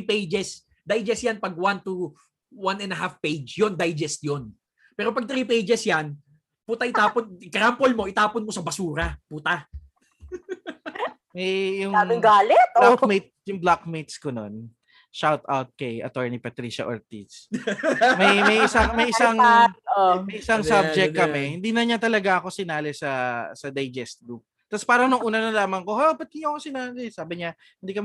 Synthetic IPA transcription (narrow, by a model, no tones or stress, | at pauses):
ipejd͡ʒɛs | d̪ajd͡ʒɛsjanpɐɡ̚want̪u | wanɛnɐɦafpejd͡ʒjond̪ajd͡ʒɛst̪jon | pɛːɾo̞pɐɡ̚t̪ɾiːpejd͡ʒɛsjan | put̪ɐʔɪt̪aːponkɐɾampolmo̞ʔɪt̪aːponmo̞sɐbɐsuːɾɐput̪a | mɐjjʊŋaʊŋɡaːlɛt̪̚met̪̚sjʊŋblakmet̪̚skonon | ʃawt̪ʔawt̪̚kɐjʔɐ̰t̪oɹnipɐt̪ɾiːʃɐ̰ʔo̰ɹt̪ḭs | mɐjmɐjʔɪsaŋmɐjʔɪsaŋomɐjʔɪsaŋsabbd͡ʒɛk̪̚kːɐmɛhɪnd̪iːnɐɲat̪ɐlɐɡaʔɐko̞sɪnaːlɛsɐsɐd̪ɐjd͡ʒɛst̪̚ɡuk | t̪ɐspaːɾɐŋnʊŋʔuːnɐnɐlaːmɐŋko̞hoopɐt̪̚iɲoɐkosɪnaːlɛsaːbɪɲa | hɪnd̪iːkɐmɛ